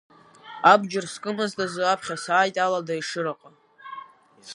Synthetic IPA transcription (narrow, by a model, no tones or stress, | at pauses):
abd͡ʒɪrskʼɨmɨzdazɨapʰχʲasaːjtʼaladaiʂɨɾaqʼa